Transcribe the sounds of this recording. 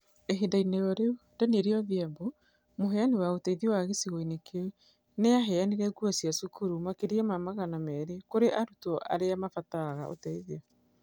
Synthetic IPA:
eɦedainejɔɾeundɛneɾeɔðiambo | moɦɛanewaotɛiðiɔwaɣesiɣoinekewe | neaɦɛaniɾɛɡuasjasukuɾumakeɾiɛmamaɣanamɛːɾekoɾeʔaɾutɔʔa̰ɾeamafataɣao̰tɛiðiɔ

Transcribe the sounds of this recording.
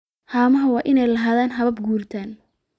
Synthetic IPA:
haːmɐɦɐwɑːʔɪnɛjlɐɦaːðaːnɦɐβɐb̚ɡuːrt̪ʰaːn

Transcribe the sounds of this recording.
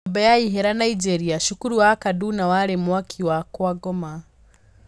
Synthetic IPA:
bajaiɦɛɾanaid͡ʒɛɾiaʃukuɾuwakadunawalɛmwakʰiwakɔaɡɔma

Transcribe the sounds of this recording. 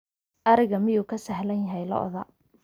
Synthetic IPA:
ʔɐɾɪɣɐmɪjuːkʰɐsɐɦlɐnjɐɦɛjlɐ̰ʔɔ̰ðɐ

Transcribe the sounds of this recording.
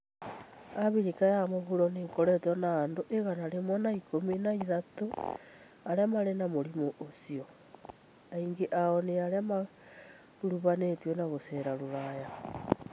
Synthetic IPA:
aβiɾikajamoɣuɾonekoɾɛtɔnaːndoʔeɣanaɾemwanaikominaiðato | aɾamaɾenamoɾimoʔosio | aiŋɡeʔaɔneaɾjama | ɾuβanetwɔnaβoseɾaɾoɾaja

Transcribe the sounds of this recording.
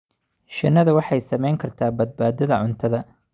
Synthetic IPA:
ʃɐnːɐðɐwɑħɑjsɐmɛjŋkʰɐrt̪ʰaːbɐd̪̚baːd̪ɐðɐʕʊnt̪ʰɐðɐ

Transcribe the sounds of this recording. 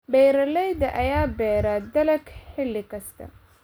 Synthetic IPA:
bɛjɾɐlɛjd̪ɐʔɐjaːbɛːɾaːd̪ɐlɐɡħɪlɪkʰɐst̪ʰɐ̰

